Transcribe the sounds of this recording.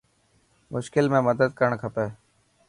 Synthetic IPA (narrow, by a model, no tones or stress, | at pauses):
mʊʃkɪlmẽːməd̪əd̪̚kəɾəɳkʰəpeː